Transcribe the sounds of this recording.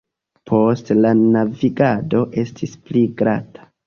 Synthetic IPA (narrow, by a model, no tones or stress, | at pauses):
pʰo̞stlanaviɡado̞ʔe̞stʰispliɡɾatʰḁ